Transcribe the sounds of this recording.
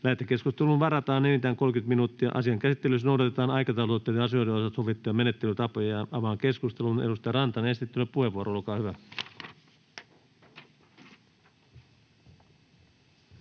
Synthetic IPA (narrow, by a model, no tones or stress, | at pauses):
læhet̪ːˑekeskust̪elunʋɑrɑt̪ɑːnelit̪æːŋko̞lkyt̪minuːt̪ːiɑ̰ʔɑ̰siɑŋkæsit̪ːelysnowdɑt̪et̪ɑːnɑjkɑt̪ɑulot̪ːˑeːt̪jɑɑsioideosɑt̪soʋit̪ːujɑmenet̪ːelyt̪ɑpojɑɑɑʋɑːŋke̞skust̪elunedust̪ɑjɑrɑnt̪ɑnest̪it̪ːylepuheʋuoɾoolkɑːhyʋæ